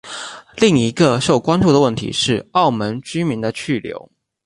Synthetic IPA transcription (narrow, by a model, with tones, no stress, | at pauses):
li˥˩ŋi˧˥ɡə˧ʂo˥˩ʊkwa˥nʈ͡ʂu˥˩d̪ə˩wə˥˩nt̪ʰḭ˧˥ʂɻ̩˥˩ɑ˥˩ʊmə˧˦˥nt͡ɕy˥mi˧˥nd̪ə˧t͡ɕʰy˥˩ljo̰˧˥ʊ